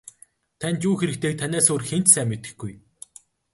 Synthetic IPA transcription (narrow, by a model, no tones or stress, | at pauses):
t̪ʰænʲt͡ɕuːxeɾɘ̆k̚t̪ʰeːk̚t̪ʰanʲæːsoːrxent͡ɕsæːmːet̪ɘ̥̆xɡuj